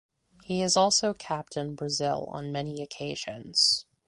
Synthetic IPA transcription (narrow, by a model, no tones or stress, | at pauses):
hiɨzɔlˠsoʊkʰæp̚tɨ̃nbɹɨzɪ̰lˠə̰̃nmɛniɨkʰeɪʒ̥ɨ̰̃nz̥